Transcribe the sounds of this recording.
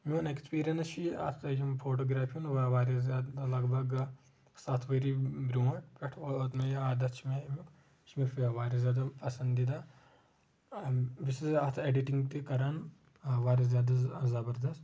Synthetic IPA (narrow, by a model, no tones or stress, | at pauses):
minekspiːɾijɐnst͡ʃiɐ̰t̪ʰjimfoːʈoːɡɾaːpʰijunʋɐʋaːɾizjaːd̪alɐɡbɐɡ | sat̪ʰʋɐɾibɾʲuːɐʈpʲeʈʰoɐt̪mejaːd̪ɐt̪t͡ʃʰimemik | t͡ʃʰmiɾfiɐʋaːɾizjaːd̪apɐsɐnd̪d̪id̪a | bisizɐt̪ʰeɖiʈiŋɡt̪ikɐɾan | ʋaːɾizjaːd̪azɐbɐɾd̪ɐst̪